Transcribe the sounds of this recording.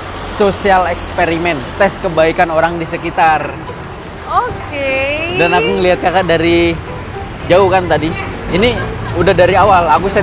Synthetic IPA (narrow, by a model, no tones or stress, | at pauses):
sosialɛkspeɾimɛnt̪ɛskəbaikanoɾaŋdisəkit̪ar | okedanakuŋəliɦat̪̚kakadaɾi | d͡ʒauhkant̪adiiniudahdaɾiawalakusa